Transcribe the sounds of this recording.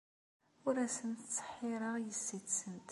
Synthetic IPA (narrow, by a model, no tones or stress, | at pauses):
ʊɾæsənt̪t͡sːə̥ħːɪɾˤəjəsːiθsənt̪